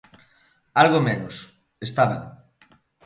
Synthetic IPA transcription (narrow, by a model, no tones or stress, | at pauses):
alɣomenʊs | est̪aβeŋ